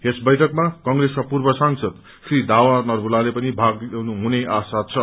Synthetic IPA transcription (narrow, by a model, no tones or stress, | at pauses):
esbʌjʈʰʌkmakʌŋreskapurbʌsaŋsʌd̪ | srid̪awanʌrbulalepʌnibʱaɡnuɦuneʔasat̪̚t͡sʰʌ